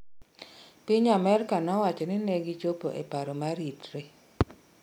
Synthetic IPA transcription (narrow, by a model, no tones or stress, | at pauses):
piɲamɛɾkanɔwat͡ʃɔnɪneɡit͡ʃopo̰ʔḛpaɾɔmaɾitɾe